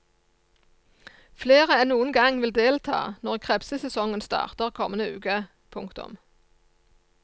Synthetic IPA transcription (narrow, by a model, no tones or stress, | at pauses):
fleːʁəɛnnuːənɡɑŋʋɪld̪eːlt̪ʰɑ̰ːnɔʁkʰʁɛpsəsɛsɔŋənst̪ɑ̰ːʁt̪əʁkʰɔmənəʉ̰ːkə | pʰʊŋkt̪ʊ̰m